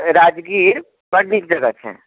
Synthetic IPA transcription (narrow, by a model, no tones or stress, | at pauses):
ɾaːd͡ʒɡiːɾ | bɐɽnikd͡ʒɐɡət̪ɦɛ̰̃ː